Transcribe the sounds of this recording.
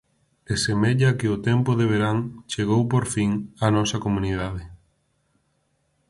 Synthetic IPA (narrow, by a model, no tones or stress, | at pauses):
esemeʎɐkɪʊt̪ɛmpʊðeβ̞eɾaŋt͡ʃeɣowpoɾfiŋanɔsɐkomũniðað̞ɪ